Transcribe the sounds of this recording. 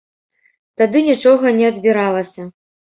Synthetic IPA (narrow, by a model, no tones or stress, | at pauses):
t̪ad̪ɨnʲit͡ʂɔɣɐnʲɛɐd̪bʲiɾalˠɐsʲɐ